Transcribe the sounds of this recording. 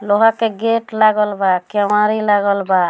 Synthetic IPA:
loɦakeɡeʈlaɡəlbakɛmaɾilaɡəlba

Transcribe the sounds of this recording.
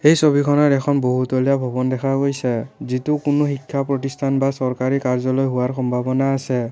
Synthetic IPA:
ejsobʱikʰɔnaɹɛkʰɔnboɦutolijabʱɔbɔndɛkʰaɡojsɛzitukʊnoxikʰːapɹɔtistʰanbasɔɹkaɹikaɹzɔlojɦuaɹxɔmbʱabɔnaːsɛ

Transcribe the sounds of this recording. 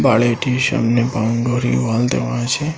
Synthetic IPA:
baɭeʈiʃə̰mnepãnɡoɾḭʋalt̪ḛʋãt͡ʃʰe

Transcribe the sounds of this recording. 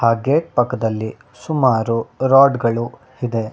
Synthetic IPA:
haːɡeːʈ̚pɐkːɐd̪ɐlːi | sumaːɾuɾaːɖɡɐɭu | hid̪e̞

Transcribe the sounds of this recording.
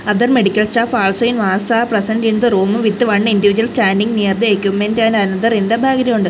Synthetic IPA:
ɐd̪ɐrme̞ɽikʲːɐlsʈaːfaːɭsojnʋaːsaːprɐsɐndind̪ɨruːmɨʋit̪ːɨʋɐɳɖɨindiʋid͡ʑuɐlsʈaːndiŋɡniːɐrt̪ɨeːkʲːumːendaːnɐnɐd̪ɐɾind̪ɐbʱaːɡɐɾɐmuɳɖɨ

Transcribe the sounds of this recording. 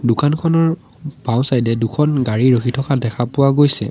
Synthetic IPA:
dʊkankʰɔnɔɹ | b̥ʱaw̃sajdɛdukʰɔnɡaɹiɹoxʰitʰɔkadɛkʰapʊwaɡojsɛ̰

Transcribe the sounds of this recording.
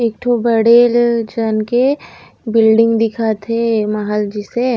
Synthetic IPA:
ek̚ʈʰobəɽeld͡ʒanke | bɪlɖɪ̃ŋɡd̪ɪkʰat̪ʰemaɦəld͡ʒɪse

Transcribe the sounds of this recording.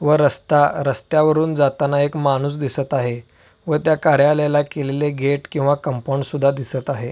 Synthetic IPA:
ʋəɾəst̪aɾəst̪jaʋəɾuːnd͡zat̪anaekmañuːs̬d̪isət̪aɦe | ʋət̪jakaɾjaljalakeleleɡʱeʈkĩw̃ʋakəmpoɳsud̪ʱːad̪isət̪aɦe

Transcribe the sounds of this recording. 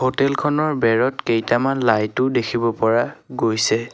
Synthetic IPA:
hotɛlkʰɔnɔɹbɛɹɔtkejtamanlajtʊdekʰibɔpɔɹaɡojsɛ

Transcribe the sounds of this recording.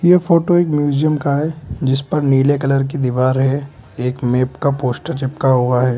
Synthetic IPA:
jefʰoːʈoeːkmjuːzijəmkaɦɛd͡ʒɪspɐɾniːlekɐləɾk̬id̪iʋaːɾɦɛeːkmeːpkapoːsʈəɾt͡ʃɪpkaɦʊaɦɛː

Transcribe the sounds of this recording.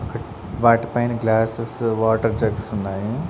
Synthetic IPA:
ɔkɐ | ʋaːʈɐpɐjnɡlaːsesʋaːʈɐɾd͡ʒɐɡsunːaːji

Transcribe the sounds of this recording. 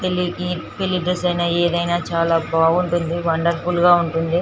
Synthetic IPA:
t̪elːikipeliɖɐsɐjnaːeːd̪ɐjnaːt͡ʃaːlaːbaːɡuɳʈund̪iʋɐɳɖɐɾfulɡaːuɳʈund̪i

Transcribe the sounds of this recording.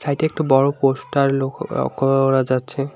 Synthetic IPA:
sʰajʈɛk̚ʈubɔɹoposʈaɾlokɔ̰koɾad͡ʑatːɕʰe

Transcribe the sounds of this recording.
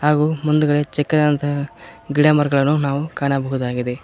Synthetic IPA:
ɦaːɡuːmund̪uɡɐɭet͡ʃɛkːɐd̪ant̪ʰɐɡiɽɐmɐɾɡɐɭɐnːunaːʋukaːnɐbɐɦud̪aːɡid̪e̞

